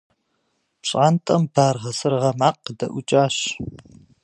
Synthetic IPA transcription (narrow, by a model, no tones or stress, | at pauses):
pɕʼaːntʼɐmb̥aːrʁɐsɨrʁɐmaːqdɐʔʷʊt͡ʃʼaːɕ